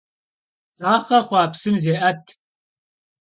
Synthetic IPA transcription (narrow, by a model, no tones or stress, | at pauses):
aːχɐχʷɑːpsɨmzeːʔɐtʰ